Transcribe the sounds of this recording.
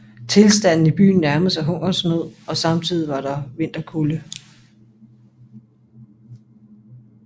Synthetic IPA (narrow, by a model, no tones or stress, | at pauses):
t͡sʰe̝lsd̥æn̰n̩ib̥y̰ːn̩næɐməsæɦɔ̽ŋ̰ɐsmoð̰ˠɒ̽sɑ̈mt͡sʰið̞̰ˠiʋɑ̈ɾ̥ɑ̈ʋe̝n̰d̥ɐkʰulə